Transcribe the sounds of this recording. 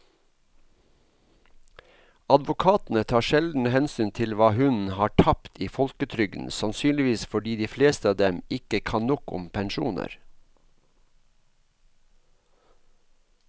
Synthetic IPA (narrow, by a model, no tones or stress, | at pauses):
ɑd̪ʋʊkʰɑːt̪n̩ət̪ʰɑːʃɛld̪n̩hɛnsyːnt̪ʰɪlʋɑːhʉnn̩hɑːʈʰɑpt̪ʰiːfɔlkət̪ʰɾʏɡn̩sɑnsyːnlɪʋiːsfɔɖiːd̪iːfleːst̪əɑːd̪ɛmɪkəkʰɑnnɔkʊ̰mpʰɛnʃuːnə̰ɾ